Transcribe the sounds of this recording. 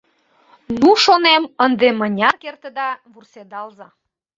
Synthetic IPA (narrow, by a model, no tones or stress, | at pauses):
nuʃonemənd̪emənʲɑkert̪əd̪ɑβursed̪ɑlzɑ